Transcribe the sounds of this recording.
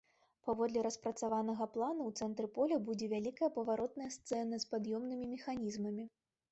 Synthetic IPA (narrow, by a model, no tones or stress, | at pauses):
pavɔd̪lʲɛɾɐspɾɐt̪savanɐɣɐplˠanuwt̪sɛnt̪ɾɨpɔlʲɐbud͡zʲɛvʲalʲikɐjɐpɐvaɾɔt̪̚nɐjɐst̪sɛnɐspad̪jɔmnɨmʲimʲɛxanʲizmɐmʲi